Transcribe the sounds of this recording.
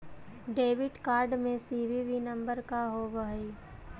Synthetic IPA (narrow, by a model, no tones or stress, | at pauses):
ɖeːʋɪɖkaːɾɖmẽsiːʋiʋinɐ̃mbəɾkaɦoʋəɦi